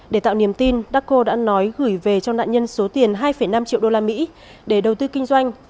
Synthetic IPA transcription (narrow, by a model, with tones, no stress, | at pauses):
ɗe˧˩t̪a̰ː˧˨wni˧˩əmt̪i˧nɗaː˦˥kko˧ɗa̰ː˧˥nɔ˨˦jɣɨ˧˩jve˨˩t͡ɕɔ˧ŋ͡mɗa̰ː˧˨ɲə˧nso˨˦t̪i˨˩ənɦaː˧jfə˧˩jna˧mt͡ɕḭ˧˨wɗo˧laː˧mḭ˧˥ | ɗe˧˩ɗə˨˩wt̪ɨ˧kï˧ŋ̟zwa˧jŋ̟